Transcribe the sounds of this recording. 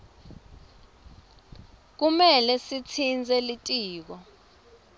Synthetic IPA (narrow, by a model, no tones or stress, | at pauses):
k̬umɛlɛsit͡sʰind͡zʱɛlitʼiːk̬ɔ